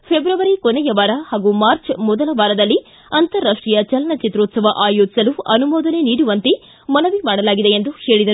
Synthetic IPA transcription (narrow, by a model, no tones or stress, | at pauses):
pʰebɾɐʋɐɾikonɛjɐʋaːɾɐhaːɡumaːɾt͡ʃmɔd̪ɐlɐʋaːɾɐd̪ɐlːi | ɐnt̪ɐɾːaːʂʈɾijɐt͡ʃɐlɐnɐt͡ʃit̪ɾoːt̪sɐʋɐʔaːjoːd͡ʒisɐluɐnumɔːd̪ɐne̞niːɽuʋɐnt̪e | mɐnɐʋimaːɽɐlaːɡid̪e̞end̪uhe̞ːɭid̪ɐɾu